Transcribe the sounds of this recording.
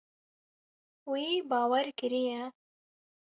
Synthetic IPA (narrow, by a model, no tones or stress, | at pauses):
wiːbɑːwɛɾkɪɾijɛ